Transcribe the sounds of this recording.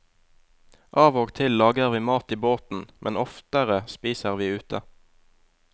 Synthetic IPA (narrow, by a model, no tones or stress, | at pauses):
ʔɑːʋoːɡt̪ʰɪllɑːɡəʁʋiːmɑːt̪iːboːt̪n̩mʔɛnɔft̪əʁəspiːsəʁʋiːʉːt̪ʰə